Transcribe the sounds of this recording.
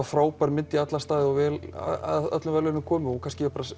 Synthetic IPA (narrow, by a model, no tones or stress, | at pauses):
afɾaːwpaɾmɪnt̪iat̪last̪aːðɪɔvɛːl̰ðœ̰t̪lʏmvɛlœnʏmkʰɔːmɪhukʰanscɪɛpaɾa